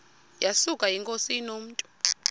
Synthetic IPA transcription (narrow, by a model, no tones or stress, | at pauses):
jasukʼajiŋkʼosinom̩ːtʼu̥